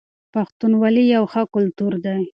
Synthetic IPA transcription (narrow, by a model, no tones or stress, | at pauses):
paxt̪unwɑlijawxəkʊlt̪uɾd̪aj